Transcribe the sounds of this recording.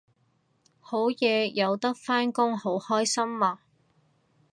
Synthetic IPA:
ho˨˥wjɛː˨˧jɐ˨˧wt̪ɐ˥k̚faː˥nkʊ˥ŋho˨˥whɔː˥jsɐ˥mːaː˨˧

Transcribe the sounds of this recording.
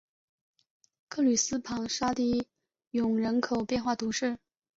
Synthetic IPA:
kʰɤ˥˩ly˨˩sɹ̩˥pʰɑ˧˥ŋʂa˥t̪i˥˩ | jʊ˨˩ŋɻə˧˥nkʰo˨˩ʊpjɛ˥˧nxwa˥˩t̪u˧˥ʂɻ̩˥˩

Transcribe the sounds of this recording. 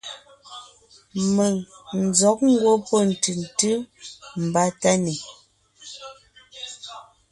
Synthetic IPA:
mɛ˨ŋn̩˨zɔ˨˦k̚ŋ̩˦ɡwo˦pɔ˦˨n̩˨tʉ˨n̩˨tɨ˦m̩˨ba˦ta˦ne˨

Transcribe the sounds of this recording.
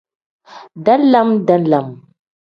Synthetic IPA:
da˦n˦la˦mda˦nla˨m

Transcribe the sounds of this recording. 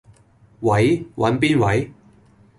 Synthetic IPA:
wɐ˨˥jwʔɐ̰˨˧˥npiː˥nwɐ˨˥j

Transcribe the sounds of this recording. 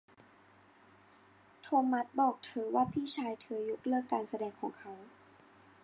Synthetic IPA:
t̪ʰoː˧mːa˦˥t̪̚bɔː˨˩k̚t̪ʰɤː˩˦waː˥˩pʰiː˥˩t͡ɕʰaː˧jt̪ʰɯ˩˦ɐju˦˥k̚lɯ˥˩əkːaː˧nsa˧dɛː˧ŋkʰɔː˩˦ŋkʰa˦˥w

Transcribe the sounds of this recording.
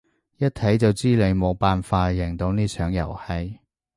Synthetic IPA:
jɐ˥t̚t̪ʰɐ˨˥jt͡sɐ˨wt͡siː˥le˨˧jmo˨˧wpaː˨nfaː˧jɪ˨˩ŋt̪o˧wniː˥t͡ʃʰœː˨˥ŋjɐ̰˨˩whɐ˧j

